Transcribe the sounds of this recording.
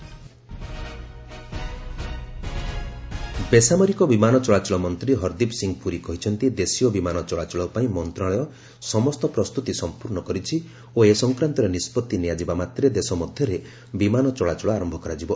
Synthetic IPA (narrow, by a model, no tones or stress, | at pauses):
besamɔɾikɔbimanɔt͡ʃɔɭat͡ʃɔɭɔmɔnt̪ɾiɦɔɾd̪ipsiŋɡpuɾikɔɦit͡ʃʰɔnt̪id̪esijɔbimanɔt͡ʃɔɭat͡ʃɔɭɔpaĩmɔnt̪ɾaɭɔjɔ | sɔmɔst̪ɔpɾɔst̪ut̪isɔmpuɾɳɔkɔɾit͡ʃʰi | oesɔŋkɾant̪ɔɾenispɔt̪ːinijad͡ʒibamat̪ɾed̪esɔmɔd̪ʱjɔɾe | bimanɔt͡ʃɔɭat͡ʃɔɭɔaɾɔmbʱɔkɔɾad͡ʒibɔ